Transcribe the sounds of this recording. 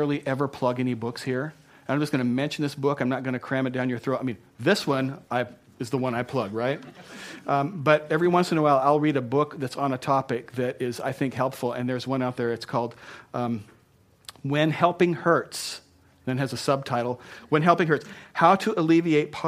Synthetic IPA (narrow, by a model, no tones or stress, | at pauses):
ɹl̩ˠiʔɛvə˞pʰl̥ʌɡɛnibʊkshiɹ̃ | nãɪ̃md͡ʒʌsɡ̥ʌ̃nɨmɛ̃nʃn̩ðɪsb̥ʊkãɪ̃mnət̚ɡ̥ʌñɨkʰɹ̥æ̃mɨt̚d̥ãʊ̃njə˞θɹoʊtaɪmĩnðɪswʌ̃naɪ | ɨzðəwʌ̃naɪpʰl̥ʌɡ̚ɹaɪt̚ | bʌɾɛvɹiwʌ̃nsɨ̃nəwaɪlˠaɪlˠɹiɾɨbʊkðɨtsn̩ɨtʰɑpɪk̚ðɨɾɪza̰ɪθɪ̃ŋkhɛlˠpfl̩ˠɨ̰̃nðə˞zwʌ̃ñaʊt̪̚ðə˞ɨtskʰɔlˠd̚ | wɨ̃nhɛlˠpɪ̃ŋhɜ˞ts̩ | ðɨ̃nɨzɨsʌb̚tʰaɪɾl̩ˠwə̃nɦɛlˠpɪ̃ŋɦɜ˞tshaʊɾɨʔəlivieɪt̚pʰ